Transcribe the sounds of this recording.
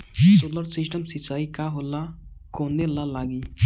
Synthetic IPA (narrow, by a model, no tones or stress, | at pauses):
soːləɾsɪsʈəmsɪt͡ʃaːikaɦola | koːnːelalaːɡiː